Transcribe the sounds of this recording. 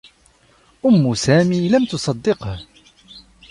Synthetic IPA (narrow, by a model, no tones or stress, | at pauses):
ʔʊmːʊsaːmiːlamt̪ʊsˤɑd̪ːɪqh